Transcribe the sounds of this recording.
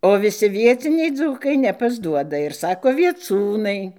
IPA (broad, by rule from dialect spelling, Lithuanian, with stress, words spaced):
oː ʋʲɪˈsʲɪ ʋʲiɛˈt͡sʲɪnʲɛɪ ˈd͡zuːkɐɪ nʲɛpɐzˈduɔdɐ ɪr ˈsɑːkoː ʋʲiɛˈt͡suːnɐɪ